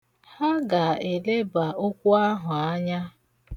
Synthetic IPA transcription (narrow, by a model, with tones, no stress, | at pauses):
ha˦ɡa˨e˨le˦ba˨o˦kʷu˦a˦ɦʊ˨a˦ɲa˦